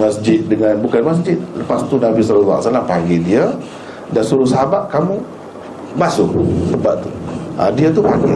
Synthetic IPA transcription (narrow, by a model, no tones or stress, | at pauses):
masd͡ʒɪt̪̚dəŋanbukanmas̬d͡ʒɪt̪̚ləpast̪unabisalalaa̰ʔsalapaɡidiə | dansuɾʊsəɦabaʔkamu | basʊsəbaʔt̪uʔa̰diat̪upaɡi